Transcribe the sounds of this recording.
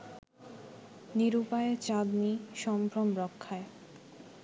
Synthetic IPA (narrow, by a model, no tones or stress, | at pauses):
niɾupaeet͡ɕad̪niʃɔmpɾomɾɔkʰːae